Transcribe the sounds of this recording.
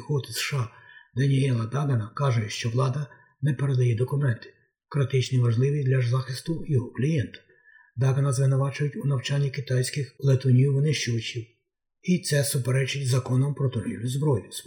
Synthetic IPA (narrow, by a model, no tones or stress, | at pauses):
xɔt̪ɪsʃɑd̪ɐnʲiɛlˠɐd̪ɑɡɐnɐkɑʒɛjʃt͡ʃɔʋlˠɑd̪ɐ | nɛpeɾed̪ɐjɛd̪ɔkʊmɛnt̪ɪ̥ | kɾɪt̪ɪt͡ʃniʋɐʒlˠɪʋʲid̪lʲɐʒzɑxɪst̪ʊjɔɦɔklʲijɛnt̪ʊ̥ | d̪ɑɡɐnɐzʋɪnʊʋɑt͡ʃʊjʊtʲunɐwt͡ʃɑnʲːikɪt̪ɑjsʲkɪxlˠet̪ɔnʲiwʋɪnɪʃt͡ʃʊʋɐt͡ʃʲiw | it̪sɛsʊpeɾɛt͡ʃɪtʲzɐkɔnɔmpɾɔt̪ɔɾʲḭwlʲʊzbɾɔjʊs